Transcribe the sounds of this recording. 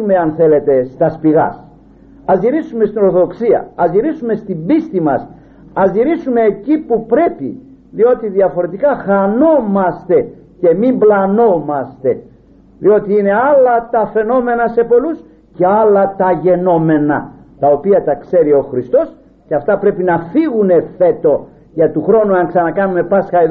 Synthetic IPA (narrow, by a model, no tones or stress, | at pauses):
ume̞ɐnθe̞le̞t̪e̞st̪ɐspiɣɐ̰s | ɐzʝiɾisumest̪ino̞ɾθoðoksiɐ̰ɐzʝiɾisume̞st̪imbist̪imɐs | ɐzʝiɾisume̞ːcipupɾe̞pḭ | ðio̞t̪iðiɐfo̞ɾe̞t̪ikɐxɐno̞mɐst̪e̞ | ce̞mimblɐno̞mɐst̪e̞ | ðio̞t̪iine̞ɐlɐt̪ɐfe̞no̞me̞nɐse̞po̞lus | ce̞ɐlɐt̪ɐʝe̞no̞me̞nɐ | t̪ɐo̞piɐt̪ɐkse̞ɾio̞xɾist̪o̞s | ceɐft̪ɐpɾe̞pinɐfiɣune̞fe̞t̪o̞ | ʝɐt̪uxɾo̞nuɐŋksɐnɐkɐnume̞pɐsxɐeð